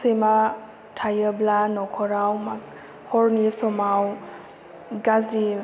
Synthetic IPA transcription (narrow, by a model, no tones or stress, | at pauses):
sejma | tʰajəblanɔkʰɔɾawmak | hɔɹnisɔmaw | ɡazi